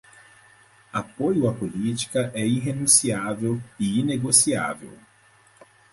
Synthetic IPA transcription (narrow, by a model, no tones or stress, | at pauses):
apojʊɐpolit͡ʃi̥kɐʔɛiɦenũsiavewiineɡosia̰vḛw